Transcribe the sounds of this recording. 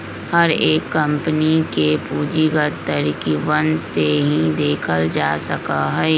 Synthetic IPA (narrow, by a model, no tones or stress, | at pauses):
hɐɾeːkːɐ̃mpənikepuːd͡ʒiɡət̪t̪ːəɾiːkiʋənseɦĩd̪eːkʰəld͡ʒaːsəkaɦɛː